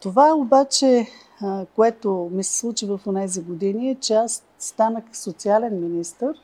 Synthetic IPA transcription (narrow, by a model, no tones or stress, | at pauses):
t̪ovaɛobat͡ʃɛ | koɛt̪omisɛ̥slˠut͡ʃivəfonɛziɡod̪iniɛt͡ʃɛasːt̪anəxsot̪sialɛnminist̪əɾ